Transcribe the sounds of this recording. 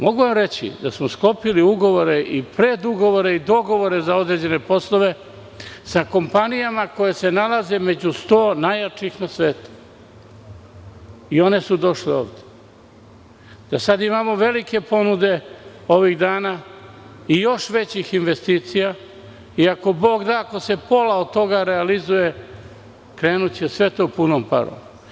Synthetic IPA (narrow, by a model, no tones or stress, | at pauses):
mo̞ɡuʋamɾe̞t͡ɕḭd̪asmosklo̞piliuɡo̞ʋo̞ɾe̞ʔipɾe̞d̪uɡo̞ʋo̞ɾeid̪o̞ɡo̞ʋo̞ɾe̞zao̞d̪ɾe̞d͡ʑe̞ne̞po̞slo̞ʋe̞ | sako̞mpanijamako̞jese̞nalaze̞me̞d͡ʑust̪o̞ːnajat͡ʂixnasʋe̞ːt̪u̥ | io̞ne̞sud̪o̞ʃleo̰ːʋd̪e̥ | d̪̥asad̪imaːmo̞ʋe̞like̞po̞nud̪e̞o̞ʋiɣd̪aːna | ijo̞ʃʋe̞t͡ɕixinʋe̞st̪iːt̪sija | iako̞bo̞ːɡd̪aːko̞se̞po̞laod̪̚t̪o̞ɡaɾealizuje̞ | kɾe̞ːnut͡ɕe̞sʋe̞t̪o̞punompa̰ɾo̰m